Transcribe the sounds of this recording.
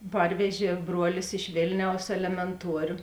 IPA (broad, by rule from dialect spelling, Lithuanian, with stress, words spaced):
ˈpɐrʲʋʲɛʒʲeː ˈbruɔlʲɪs ɪʃ ˈʋʲeːlʲnʲɛʊs ɛlʲɛmʲɛnˈtuɔrʲoː